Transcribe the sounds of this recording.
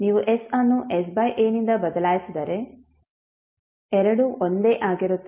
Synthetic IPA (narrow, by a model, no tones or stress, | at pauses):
niːʋuʔesaːnːuʔes̬bɐjʔeːnind̪ɐbɐd̪ɐlaːjsid̪ɐɾe | ɛɾɐɽuʔond̪e̞ːʔaːɡiɾut̪ːe